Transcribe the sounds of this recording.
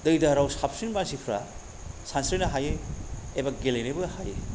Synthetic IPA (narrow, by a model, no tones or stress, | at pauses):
dɯjdaɾawsap̚sinmansipʰɾa̰ | sansɾinɐɦajeebaɡelejnebɯhaje